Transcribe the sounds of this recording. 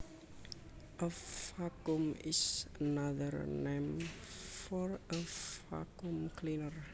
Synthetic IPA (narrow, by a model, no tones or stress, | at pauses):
ʔəfakumɪ̰sənaðəɾnẽm | fɔɹəfa̰kumkʰlinəɹ